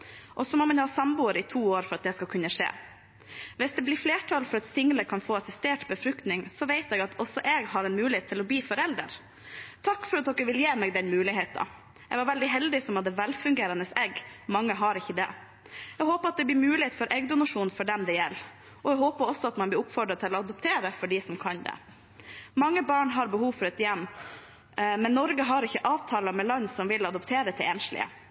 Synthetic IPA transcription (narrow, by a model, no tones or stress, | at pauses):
ʔɔsɔmɔmɑnhɑːsɑmbuːəɾɪt̪ʰuːoːɾfɔɾɑt̪̚d̪ɛskɑkʰʉnːəʂḛː | ʋɪsd̪ɛblɪfleːʈʰɑlfɔɾɑt̪sɪŋːələkʰɑnfoːɑsɪst̪eːʈbəfɾʉkt̪nɪŋsɔʋɛɪt̪ɛɡɑt̪ʰɔsɔʔɛɡhɑɾɛnmʉːlɪheːt̪ʰːɪlɔbliːfɔɾɛld̪ə̰ɾ | t̪ʰɑkːfɔɾɑt̪̚d̪ɔkːəʋɪljeːmɛɡd̪ɛnmʉːlɪɦeːt̪ɑ̰ | ɛɡʋɑɾʋɛld̪ɪɦɛld̪ɪsɔmɑt̪d̪ɛʋɛlfʉŋɡeːɾɑnəsɛɡmɑŋːəɦɑɾɪçːəd̪ɛ | ɛɡɦoːpəɾɑt̪̚d̪ɛblɪːɾmʉːlɪheːt̪fɔɾʔɛɡd̪ʊnɑʂuːnfɔɖɛmd̪ɛjɛlː | ʔɔɛɡɦoːpəɾɔsɔɑt̪mɑnb̪lɪɾʊpfɔɖɾɑt̪ʰɪlɔɑd̪ɔpt̪ʰeːɾəfɔɖisɔmkʰɑnd̪ɛ̰ | mɑŋːəbɑːɳɦɑɾbəhuːʋfɔɾɛt̪jɛmː | mɛnːɔɾɡəɦɑɾɪçːəʔɑːʋt̪ʰɑːlɑmɛlɑnsɔmʋɪlɑd̪ɔpt̪ʰeːɾət̪ʰɪleːnʂlɪ̰ə̰